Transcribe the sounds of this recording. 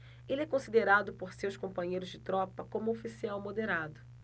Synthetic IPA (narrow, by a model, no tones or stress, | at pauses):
elɛkõsid̪eɾad̪ʊpoɾsewskõpɐ̃ɲejɾʊzd͡ʒɪt̪ɾɔpɐkõmʊofisiawmod̪eɾad̪ʊ